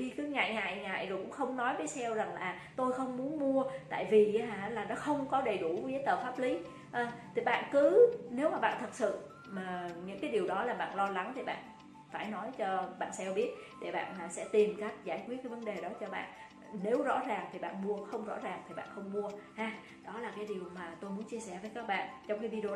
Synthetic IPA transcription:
i˧kɨ˨˦ŋa̰ː˧˨jŋa̰ː˧˨jŋa̰ː˧˨jzkʊ̰˧˥ŋ͡mxə˧wŋ͡mnɔ˨˦jvə˨˦jsɛ˧wza˨˩ŋlaː˨˩ | t̪o˧jxə˧wŋ͡mmu˨˦ənmu˧ət̪a̰ː˧˨jvi˨˩˨a˧˩laː˨˩nɔ˨˦xə˧wŋ͡mkɔ˨˦ɗə˨˩jɗu˧˩və˨˦jəː˨˦jt̪əː˨˩faː˦˥p̚li˨˦ | ʔə˨˧t̪ʰi˨˩ɓa̰ː˧˨nkɨ˨˦ne˨˦wmaː˨˩ɓa̰ː˧˨nt̪ʰə˨˩t̚sɨ̰˧˨ | maː˨˩ɲɨ̰˧˥ŋkaː˨˦jɗi˨˩əwɗɔ˨˦laː˨˩ɓa̰ː˧˨nlɔ˧la˨˦ŋt̪ʰi˨˩ɓa̰ː˧˨n | faː˧˩jnɔ˨˦jt͡ɕɔ˧ɓa̰ː˧˨nsɛ˧wɓi˦˥ət̚ɗḛ˧˩ɓa̰ː˧˨naː˨˩sɛ̰˧˥t̪i˨˩mkaː˦˥k̚zaː˧˩jkwt̚kːaː˨˦və˨˦nɗe˨˩ɗɔ˨˦t͡ɕɔ˧ɓa̰ː˧˨n | ne˨˦wzɔ̰˧˥zaː˨˩ŋt̪ʰi˨˩ɓa̰ː˧˨nmu˧əxə˧wŋ͡mzɔ̰˧˥zaː˨˩ŋt̪ʰi˨˩ɓa̰ː˧˨nxə˧wŋ͡mmu˧əhaː˧ | ɗɔ˨˦laː˨˩kaː˨˦jɗi˨˩əwmaː˨˩t̪o˧jmu˨˦ənt͡ɕi˧əsɛ˧˩vəː˨˦jkaː˦˥k̚ɓa̰ː˧˨nt͡ɕɔ˧wŋ͡mxi˧vi˧ɗ

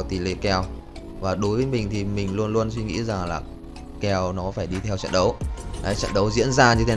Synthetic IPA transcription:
t̪i˨˩lḛ˧˨kɛ˧˩w | vaː˨˩ɗo˨˦jvəː˨˦jmï˨˩ŋ̟t̪ʰi˨˩mï˨˩ŋ̟lu˧ənlu˧ənswi˧ŋḭ˧˥za˨˩ŋlaː˨˩ | kɛ˧˩wnɔ˨˦faː˧˩jɗi˧t̪ʰɛ˧wt͡ɕɛ̰˧˨nɗə˨˦wʔaː˨˦jt͡ɕɛ̰˧˨nɗə˨˦wzḭ˧˥ənzaː˧ɲɨ˧t̪ʰe˨˦

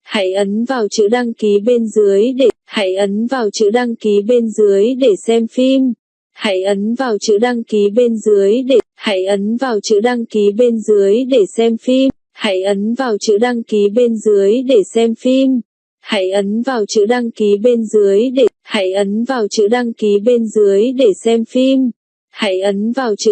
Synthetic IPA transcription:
ha̰ː˧˩jʔə˨˦nvaː˨˩wt͡ɕɨ̰˧˥ɗa˧ŋki˨˦ɓe˧nzɨ˨˦əjɗe˧˩ha̰ː˧˥˩jʔə˨˦nvaː˨˩wt͡ɕɨ̰˧˥ɗa˧ŋki˨˦ɓe˧nzɨ˨˦əjɗe˧˩sɛ˧mfi˧m | ha̰ː˧˥˩jʔə˨˦nvaː˨˩wt͡ɕɨ̰˧˥ɗa˧ŋki˨˦ɓe˧nzɨ˨˦əjɗe˧˩ha̰ː˧˥˩jʔə˨˦nvaː˨˩wt͡ɕɨ̰˧˥ɗa˧ŋki˨˦ɓe˧nzɨ˨˦əjɗe˧˩sɛ˧mfi˧m | ha̰ː˧˥jʔə˨˦nvaː˨˩wt͡ɕɨ̰˧˥ɗa˧ŋki˨˦ɓe˧nzɨ˨˦əjɗe˧˩sɛ˧mfi˧m | ha̰ː˧˥jʔə˨˦nvaː˨˩wt͡ɕɨ̰˧˥ɗa˧ŋki˨˦ɓe˧nzɨ˨˦əjɗe˧˩ha̰ː˧˥jʔə˨˦nvaː˨˩wt͡ɕɨ̰˧˥ɗa˧ŋki˨˦ɓe˧nzɨ˨˦əjɗe˧˩sɛ˧mfi˧m | ha̰ː˧˥jʔə˨˦nvaː˨˩wt͡ɕɨ̰˧˨

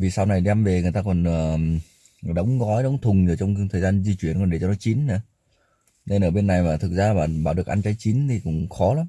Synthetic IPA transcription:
vi˨˩sa˧wna˨˩jɗɛ˧mve˨˩ŋɨ˨˩əjt̪aː˧kɔ˨˩nʔəː˨˩ | ɗə˨˦wŋ͡mɣɔ˨˦jɗə˨˦wŋ͡mt̪ʰʊ˨˩ŋ͡mzɨ˨˩t͡ɕɔ˧wŋ͡mt̪ʰəː˨˩zaː˧nzi˧t͡ɕwi˧˩ənkɔ˨˩nɗe˧˩t͡ɕɔ˧nɔ˨˦jt͡ɕi˨˦nna˨˦ | ne˧nʔəː˧˩ɓe˧nːa˨˩jmaː˨˩t̪ʰɨ˨˩k̚zaː˧˨ɓaː˨˩nɓaː˧˩wɗɨ˨˩ək̚ʔa̰˧nt͡ɕaː˨˦jt͡ɕi˨˦nt̪ʰi˨˩kʊ̰˧˩ŋ͡mxɔ˨˦laː˨˦m

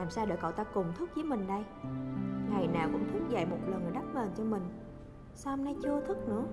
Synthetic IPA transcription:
aː˨˩msaː˧wɗə̰ː˧˩kɔ̰˧˨˩wt̪aː˧kʊ˨˩ŋ͡mt̪ʰɨ˦˥k̚zi˨˦mï˨˩ŋ̟ɗə˧j | ŋa˨˩jnaː˨˩wkʊ̰˧˥ŋ͡mt̪ʰi˦˥k̚za̰ː˧˨jmo˨˩t̚lə˨˩nʔəː˨˩jɗa˦˥p̚məː˨˩nt͡ɕɔ˧mï˨˩ŋ̟ | saː˧hmna˧jt͡ɕɨ˧ət̪ʰɨ˦˥k̚nɨ̰˧˥ə

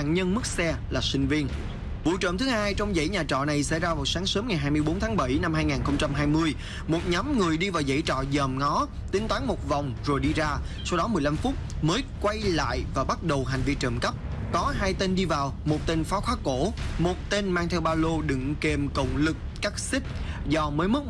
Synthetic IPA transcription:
a̰ː˧˨nɲə˧nmɨ˦˥k̚sɛ˧laː˨˩sï˧ŋ̟vi˧ən | vṵ˧˨t͡ɕə̰ː˧˨mt̪ɨ˨˦haː˧jt͡ɕɔ˧wŋ͡mzə̰˧˥˩jɲaː˨˩t͡ɕɔ̰˧˨na˨˩jsɛ̰˧˥zaː˧vaː˨˩wsaː˨˦ŋsəː˨˦mŋa˨˩jɦaː˧jmɨ˧əjɓo˨˦nt̪ʰaː˨˦ŋɓə˧˩jna˧mhaː˧jŋaː˨˩nxə˧wŋ͡mt͡ɕa˧mɦaː˧jmɨ˧əj | mo˨˩t̚ɲa˨˦mŋɨ˨˩əjɗi˧vaː˨˩wzə̰˧˥jt͡ɕɔ̰˧˨zəː˨˩mŋɔ˨˦ | t̪ï˨˦ŋ̟t̪waː˨˦ŋmo˨˩t̚va˨˩wŋ͡mzo˨˩jɗi˧zaː˧ | sɔ˧wɗɔ˨˦mɨ˨˩əjla˧mfʊ˦˥t̚məː˨˦jkwa˧jla̰ː˧˨jvaː˨˩ɓa˦˥t̚ɗə˨˩wɦa˨˩jŋ̟vi˧t͡ɕə̰ː˧˩mkə˦˥p̚ | kɔ˨˦ɦaː˧jt̪e˧nɗi˧vaː˨˩wmo˨˩t̚t̪e˧nfɔ˨˦xwaː˨˦ko˧˩mo˨˩t̚t̪e˧nmaː˧ŋt̪ʰɛ˧wɓaː˧lo˧ɗɨ̰˧˨ŋke˨˩mkə̰˧˨wŋ͡mlɨ˨˩k̚ | kaː˦˥k̚sï˦˥k̚zɔ˧məː˨˦jmɨ˦˥t̚

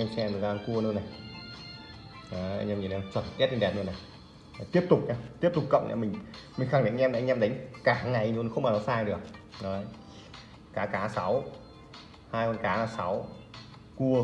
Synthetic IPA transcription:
ɛ˧msɛ˧nɨ˨˧˩zaː˧nku˧ənɨ˧na˨˩j | aː˨˦a̰˧ŋʔmɲi˨˩˨na˧˩t͡ɕwəː˨˧˩n˨˩k̪i˦˥t̚ːi˧nɗɛ˨˩t̚nɨ˧na˨˩j | t̪i˦˥əp̚t̪ʊ˨˩k͡p̚ɲaː˧t̪i˦˥əp̚t̪ʊ˨˩k͡pk̚ːə̰˧˨wʔa̰˧˩mï˨˩ŋ̟mï˨˩ŋ̟xa˧˩ŋ̟˨˧˦mː˧˨˧ŋ̟ʔɛ˧m˧ɗa˨˦ŋ̟kaː˧˩ŋa˨˩jɲu˧˦n˨˦xə˧wŋ͡mʔaː˨˩nɔ˨˦saː˧jɗɨ˨˩ək̚nɔ˨˦˧ | kaː˨˦kaː˨˦sa˨˦w | haː˧jkɔ˧nkaː˨˦laː˧˩sa˨˦w | ku˧ə

